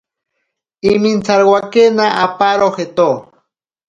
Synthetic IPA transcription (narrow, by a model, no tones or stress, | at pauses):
imint͡saɾwakenaʔapaɾoxet̪o